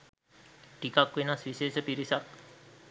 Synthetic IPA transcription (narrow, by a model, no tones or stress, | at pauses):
ʈikakʋenaswiseːsəpiɾisak̚